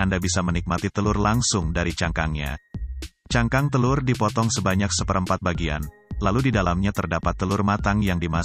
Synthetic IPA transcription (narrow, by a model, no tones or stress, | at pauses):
andabisamənik̚mat̪it̪əlʊrlaŋsʊŋdaɾit͡ʃaŋkaŋɲa̰ | t͡ʃaŋkaŋt̪əlʊrdipɔt̪ɔŋsəbaɲak̚səpəɾəmpat̪̚baɡia̰n | laludidalamɲat̪ərdapat̪ːəlʊrmat̪aŋjaŋdima